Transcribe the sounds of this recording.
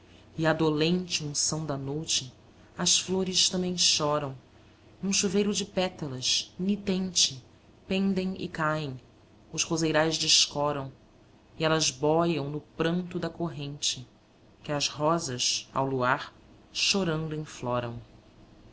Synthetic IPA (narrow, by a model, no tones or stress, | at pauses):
ɪad̪olẽnt͡ʃɪũsɐ̃w̃d̪ɐnojt͡ʃɪ | ɐsfloɾɪʃt̪ɐ̃mbẽj̃ʃɔɾɐ̃w̃ | nũʃuvejɾʊd͡ʒɪpɛt̪ɐlɐʃnit̪ẽnt͡ʃɪ | pẽnd̪ẽj̃ɪ̰kaẽj̃ | ʊzhozejɾajzd͡ʒɪʃkɔɾɐ̃w̃ | ɪɛlɐzbɔjɐ̃w̃nʊpɾɐ̃nt̪ʊd̪ɐkoɦẽnt͡ʃɪ | kɪɐzhɔzɐʃa̰wluaɾ | ʃoɾɐ̃nd̪ʊẽj̃flɔɾɐ̰̃w̃